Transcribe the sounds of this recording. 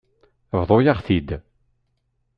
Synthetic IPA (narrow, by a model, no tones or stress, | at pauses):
vðˤojaχθid̪